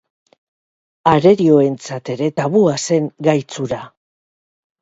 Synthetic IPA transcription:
aɾe̞ɾio̞e̞nt͡sat̪e̞ɾe̞t̪aβuase̞ŋɡajt͡suɾa

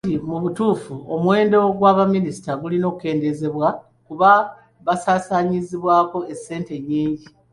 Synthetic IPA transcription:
dimuβutuːfuomwe̞ːndo̞ɡwaːβamːinisi̥taɡulino̞ːku̥ke̞ːnde̞ze̞βwa | kuβa | βasaːsaːɲiziβwaːko̞e̞sːe̞ːnte̞ɲːiːɲɟi

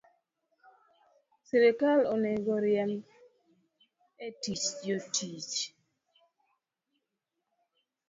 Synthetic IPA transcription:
siɾekaloneɡɔɾjɛm | etit͡ʃd͡ʒotʰit͡ʃ

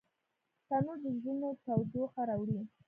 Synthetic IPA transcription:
t̪anud̪əzinot̪awd̪oxaɾawɽi

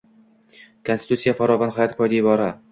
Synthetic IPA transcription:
kʰonst̪ɪ̥t̪ut̪sijafaɾɒvɒnhɒjɒt̪pʰɒjd̪aɪbɒɾa

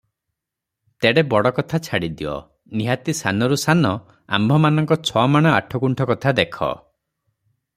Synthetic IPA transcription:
t̪eɽebɔɽɔkɔt̪ʰat͡ʃʰaɽid̪iɔ̰ | niɦat̪isanɔɾusanɔ | a̰mbʱɔmanɔŋkɔt͡ʃʰɔmaɽ̃ɔa̰ʈʰɔkuɳʈʰɔkɔt̪ʰad̪ekʰɔ̰

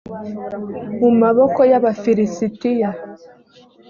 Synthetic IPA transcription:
mumaβokojaβafiɾisitija

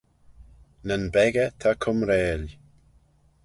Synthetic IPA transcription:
nənbɛɡət̪ʰakʰʊmɾɛːl

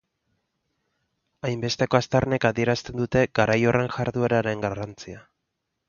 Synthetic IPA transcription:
ajmbe̞st̪e̞ko̞ast̪arne̞kaðie̞ɾast̪e̞nd̪ut̪e̞ɡ̥aɾajo̞re̞ŋʝaɾðue̞ɾaɾe̞ŋɡarant͡sia

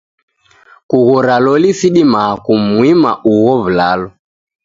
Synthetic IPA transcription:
kuɣɔɾalɔlisiɗimakumwima̰ʔuɣɔvulalɔ

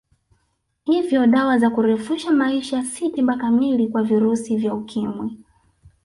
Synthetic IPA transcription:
hivjɔɗawazakuɾɛfuʃamaiʃasitiɓakamilikwaviɾusivjaukʰimwi

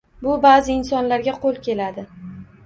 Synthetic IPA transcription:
bʊbaːzɪɪnsɒnlaɾɡʲaqʰolˠkʲe̞lad̪ɪ

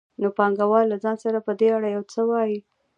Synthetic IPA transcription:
nopɑŋɡawɑllːazɑnsaɾapəd̪eaɽajawt͡səwɑji

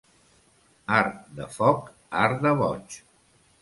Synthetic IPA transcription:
aɾðə̰fɔk | aɾðəβɔt͡ʃ

